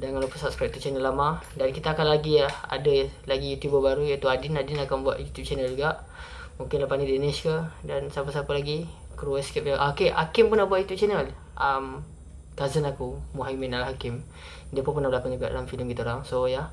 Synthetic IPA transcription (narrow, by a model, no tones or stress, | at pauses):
daŋanlopəsap̚spɛk̚t̪ut͡ʃɛnəlːamadankit̪aːkanlaɡiaha̰dəlaɡijut̪ubəbaɾujat̪uadinadinakanbua̰ʔ̪jut̪jup̚t͡ʃɛnəld͡ʒuɡaʔ | muŋkɪnlapanideniskədansapəsapəlaɡi | kɾuəskɛp̚aʔakeʔa̰kɪmpunahbuaʔ̚jut̪jup̚t͡ʃɛnəl | ʔam | t̪azənakumuɦaiminalahakɪm | diəpunpənahbəlakand͡ʒuɡaʔdalamfiləmkit̪aoɾaŋsoja